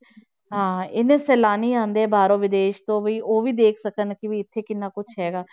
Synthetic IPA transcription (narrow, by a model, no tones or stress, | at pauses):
ɦãːɪnẽːsɛːlaːniːãːnd̪eɛːbaːɾõːʋɪd̪eːʃt̪õːbiːʔoːʋiːd̪eːkʰsəkənkɪʋiːɪt̪ʰːeːkɪnːaːkʊt͡ʃʰɦɛːɡaː